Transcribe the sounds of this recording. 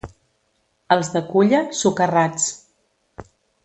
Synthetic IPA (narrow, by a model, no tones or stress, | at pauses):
əlˠzðəkuʎəsukərat͡s